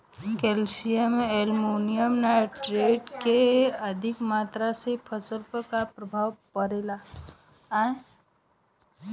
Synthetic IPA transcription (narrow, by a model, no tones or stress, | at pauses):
kelsijəmeelmonijəmnajʈɾeɖkeəd̪ʱikmaːt̪ɾasepʰəsəlpəkapɾəbʱawpəɾela